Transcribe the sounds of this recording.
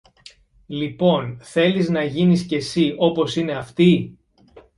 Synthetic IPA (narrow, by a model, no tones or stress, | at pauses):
lipo̞nθe̞liznɐʝinisce̞sio̞po̞sine̞ɐft̪i